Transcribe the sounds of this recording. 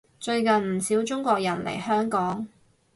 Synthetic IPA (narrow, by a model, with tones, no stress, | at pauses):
t͡ʃɵ˧ɥkɐ˨nm̩˨˩siː˨˥wt͡ʃʊ˥ŋkʷɔː˧k̚jɐ˨˩nlḛ˨˩jhœː˥ŋkɔː˨˥ŋ